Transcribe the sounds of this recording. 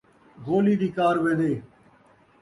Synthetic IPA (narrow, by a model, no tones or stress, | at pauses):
ɣoːliːd̪iːkaːɾʋẽːd̪eː